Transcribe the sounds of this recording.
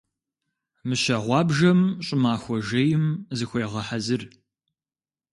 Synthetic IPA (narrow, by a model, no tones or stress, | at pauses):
mɨʃɐʁʷɑːbʒɐmɕʼɪmaːxʷɔʒɐjɪmzɨxʷeːʁɐħazɨr